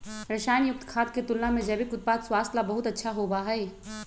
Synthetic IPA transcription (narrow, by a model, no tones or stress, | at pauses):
ɾɐʃaːjnjʊk̚t̪kʰaːt̪̚ket̪ʊlnamẽd͡ʒɐːbikʊt̪̚paːt̪swaːst̪labɐɦʊt̪ɐtːʃʰaɦobaːɦɛeː